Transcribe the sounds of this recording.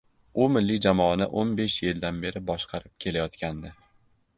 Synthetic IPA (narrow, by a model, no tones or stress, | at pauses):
ʊmɪlːid͡ʒamɒanɪ̰ʔonbe̞ʃjɪld̪anbe̞ɾɪbɒʃqʰɑɾɪp̚kʲʰe̞lajɒt̪kʲand̪ɪ